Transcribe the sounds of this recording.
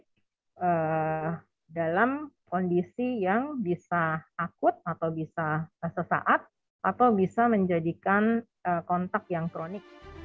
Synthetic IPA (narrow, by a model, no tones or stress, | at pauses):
ʔə | dalamkondisijaŋbisaakʊt̪̚at̪awbisasəsa̰ʔat̪̚ | ʔat̪awbisaməɲd͡ʒadikan | əkɔnt̪ak̚jaŋkɾonɪk̚